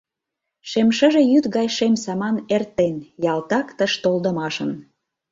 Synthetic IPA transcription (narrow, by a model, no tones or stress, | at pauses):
ʃemʃəʒejyt̪ɣɑjʃemsɑmɑnert̪enjɑlt̪ɑkt̪əʃt̪old̪ə̆mɑʃə̆n